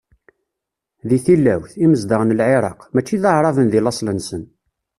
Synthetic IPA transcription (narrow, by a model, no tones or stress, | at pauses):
ðiθilːæwθiməzd̪əʁnəlʕeɾˤɑ̰qmæt͡ʃːiðəʕɾˤɑvənðilɑsˤlənsən